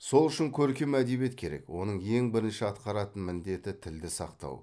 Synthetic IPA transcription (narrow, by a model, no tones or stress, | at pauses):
so̞lˠʏʃɪŋkʲʰɵɾkʲemæd̪ebe̞t̪kʲʰe̞ɾe̞̰kwo̞nəɴe̞ŋbɪɾɪnʃɪɑt̪qɑɾɑt̪ənmɪnd̪e̞t̪ɪt̪ʰɪld̪ɪsɑqt̪ɑ̰w